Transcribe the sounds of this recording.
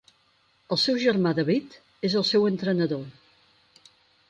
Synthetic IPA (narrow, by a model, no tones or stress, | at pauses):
əlˠsɛwʒərmaðəβit̪ | ezəlˠsɛwənt̪ɾənəðo